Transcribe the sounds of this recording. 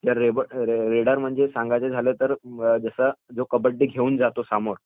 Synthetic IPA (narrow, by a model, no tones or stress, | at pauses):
t̪jaɾebəɾeɽaɾm̤əɳd͡zesaŋɡajt͡sed͡zʱalet̪əɾd͡zəsəd͡zokəbəɽʈ̪ːiːɡʱeuːnd͡zat̪osamoɾ